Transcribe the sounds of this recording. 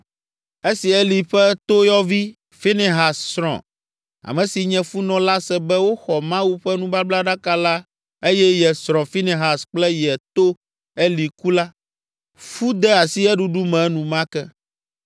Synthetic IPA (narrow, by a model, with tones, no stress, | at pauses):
e˦si˨ɛ˦li˨ɸɛ˦t̪o˦jɔ˦vi˦ | fi˦ne˨ɦa˨ssɾɔ̰̃˨ | a̰˨mɛ̃˨si˨ɲɛ̃˨fu˦nɔ̃˨la˦sɛ˦bɛ˦wo˦xɔ˨mã˦wu˦ɸɛ˦nũ˦ba˦bla˦ɖa˦ka˦la˦ | e˦jɛ˦jɛ˨sɾ̃ɔ̃˨fi˦ne˨ɦa˨sk͡plɛ˦jɛ˨t̪o˦ | ɛ˦li˨ku˦la˦ | fu˦d̪ɛ˦a˨si˦ɛ˦ɖu˦ɖu˦mɛ̃˨˦nũ˨mã˦kɛ˦